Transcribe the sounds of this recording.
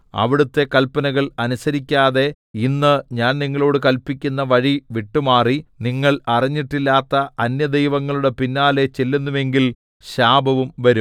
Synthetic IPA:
ɐ̰ʋiɽut̪ːe̞kɐlpɐnɐɣɐɭɐnusɐɾikʲːaːðe̞ | inːɨɲaːnniŋːɐɭo̞ːɽɨkɐlpikʲːunːɐʋɐɻiʋiʈːumaːriniŋːɐɭɐrɐiɲːiʈːilːaːt̪ːɐɐnjɐd̪ejʋɐŋːɐɭuɽe̞pinːaːle̞t͡ɕe̞lːenːume̞ŋɡil | ɕaːbʱɐʋumʋɐɾum

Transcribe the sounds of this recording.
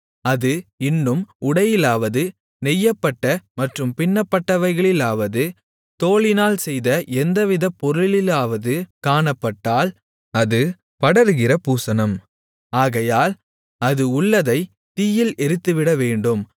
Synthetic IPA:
ɐðɯɪnːɯmʊɽɐjɪlaːʋɐðɯ | nɛjːɐpːɐʈːɐmɐʈrɯmpɪnːɐpːɐʈːɐʋɐɪɣɐɭɪlaːʋɐðɯ | t̪oːɭɪnaːlsɛjðɐɛnd̪ɐʋɪðɐpːɔɾɯɭɪlaːʋɐðɯkaːɳɐpːɐʈːaːl | ɐðɯ | pɐɽɐɾɯɣɪrɐpuːsɐnɐm | aːɣɐjaːl | ɐðɯʊɭːɐðɐɪ | t̪iːjɪlɛɾɯt̪ːɯʋɪɽɐʋeːɳɖɯm

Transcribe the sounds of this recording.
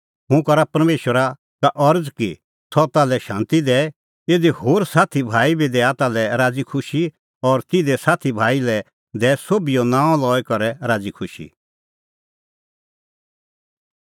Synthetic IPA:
ɦũkɐɾapɐɾmeːʃəɾa | kaʔɐɾd͡zki | t̪ʰɔt̪aːlɛʃãːnt̪id̪ɛː | eːd̪ihoːɾsaːt̪ʰibʱaːibid̪ɛːat̪aːlɛɾaːd͡zikʰʊʃi | ɔɾt̪ɪd̪ɛsaːt̪ʰibʱaːilɛ | d̪ɛːsoːbijonãːɔ̃lɔːɛkɐɾɛɾaːd͡zikʰʊʃḭ

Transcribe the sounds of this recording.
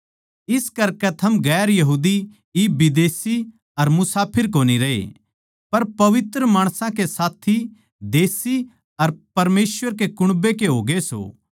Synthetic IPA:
ɪskɐɾkɛt̪ʰɐmɡɛːɾjɐɦuːd̪i | iːbɪd̪eːsi | ɐɾmʊsaːpʰɪɾkoːniɾɐḛ | pɐɾpɐʋɪt̪ɾəmaːɽ̃sãkesaːt̪ʰi | d̪eːsi | ɐɾpɐɾmeːsʋəɾkekʊɽ̃bekeɦoːɡeso̰ː

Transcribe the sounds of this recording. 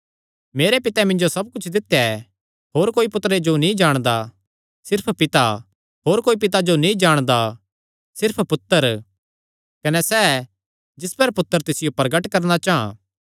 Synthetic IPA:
meːɾepɪt̪ɛmɪ̃nd͡ʒosɐb̚kʊt͡ʃʰd̪ɪt̪ːjaɛ | ɦoːɾkoːipʊt̪ɾed͡ʒonĩd͡ʒaːɽ̃d̪a | sɪɾpʰpɪt̪a | ɦoːɾkoːip̬ɪt̪̬ad͡ʒonĩd͡ʒaːɽ̃d̪a | sɪɾpʰpʊt̪ːəɾ | kɐnɛsɛː | d͡ʒɪspɐɾpʊt̪ːəɾt̪ɪsɪjopɐɾɡəʈkɐɾnat͡ʃaɦã̰ː

